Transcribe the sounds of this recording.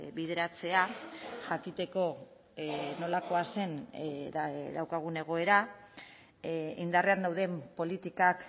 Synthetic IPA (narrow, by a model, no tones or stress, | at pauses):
βið̞e̞ɾat͡se̞aʝakit̪e̞ko̞ | no̞lako̞ase̞n | ðawkaɣ̞une̞ɣ̞o̞e̞ɾa | ind̪areand̪awðe̞mpo̞lit̪ikak